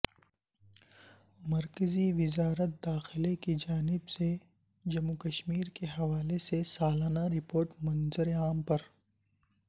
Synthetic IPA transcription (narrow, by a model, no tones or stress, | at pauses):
mɐɾkəziʋɪzaːɾət̪̚d̪aːxɪlekid͡ʒaːnɪbse | d͡ʒɐmukɐʃmiːɾkeɦɐʋaːlesesaːlaːnaɾɪpoːɾʈmɐnzəɾeaːmpɐɾ